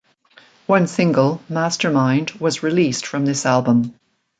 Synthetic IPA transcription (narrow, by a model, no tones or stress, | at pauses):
wʌ̃nsɪ̃ŋɡəlˠmæstə˞mãɪ̃ndwʌzɹɪlistfɹʌ̃mðɪsælˠbə̃m